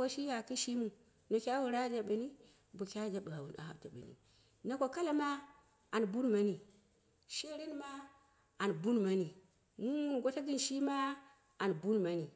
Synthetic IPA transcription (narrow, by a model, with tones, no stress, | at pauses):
wa˦ʃi˦ja˨ki˦ʃi˦mu˨ | no˨kʲa˦wu˦˨ɾa˦d͡ʒa˨ɓə˨ni˦ | bu˨kʲa˦d͡ʒa˦ɓa˨a˨wu˨na̰˨ha̰˨ta˨ɓə̰˨nḭ˨ | na˨kʷo˨ka˦la˦ma˦ | a˨n˨bu˦nma˨ni˨ | ʃe˦ɾi˦nma˦ | a˨n˨bu˦nma˨ni˨ | mu˦u˦nɡo˦ta˦ɡɨ˦nʃi˦ma˦ | a˨nbu˦nma˨ni˨